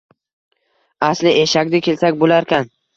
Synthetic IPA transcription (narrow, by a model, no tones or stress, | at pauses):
aslɪʔeʃakʲd̪akʲʰe̞lsakʲbolaɾkʲʰan